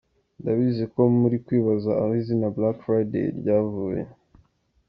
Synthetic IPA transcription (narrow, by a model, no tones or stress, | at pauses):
ndaβizeko̞muɾikwiːβazaːhizinablakfɾajdḛɾɟaːvuːjḛ